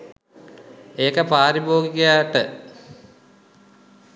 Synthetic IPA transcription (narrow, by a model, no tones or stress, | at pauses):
eːkəpaːɾiboːɡikejaːʈə